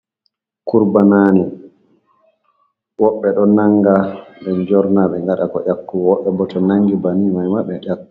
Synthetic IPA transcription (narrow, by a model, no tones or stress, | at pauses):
kuɾbanaːni | wɔɓːɛɗɔnaŋɡaɓɛnd͡ʒɔɾnaɓɛŋɡaɗakɔ̰ʔakːuwɔɓːɛbɔtɔnaŋɡibanimajmaɓɛʔakːu